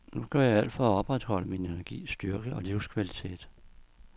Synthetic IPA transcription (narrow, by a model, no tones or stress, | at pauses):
nuɡ̥ɶɐ̰jɑ̈æl̰d̥fɒɒ̽b̥ʁad̥hɒ̽l̰əmine̝næɐɡ̥ḭːsd̥yɐɡ̥əɒ̽liʊ̰skʰʋælit͡sʰe̝̰ːd̥